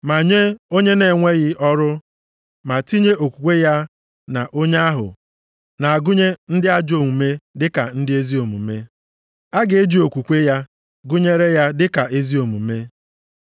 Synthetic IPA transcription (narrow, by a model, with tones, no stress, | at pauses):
ma˨ɲe˦o˦ɲe˦ne˨ŋʷe˦ɣɪ˦ʔɔ˦ɾʊ˦ | ma˨ti˦ɲe˦o˨kʷu˨kʷe˦ja˦ | na˨ʔo˦ɲe˦a˦ɦʊ̰˨ | na˨a˨ɡʊ˦ɲe˦n̩˦dɪ˦a˦d͡ʒo˨mu˨me˦dɪ˦ka̰˨n̩˦dɪ˦e˦zi˦o˨mṵ˨me˦ | a˦ɡe˨e˦d͡ʒi˨o˨kʷu˨kʷe˦ja˦ | ɡʊ˦ɲe˦ɾe˦ja˦dɪ˦ka˨ʔe˦zi˦o˨mṵ˨me˦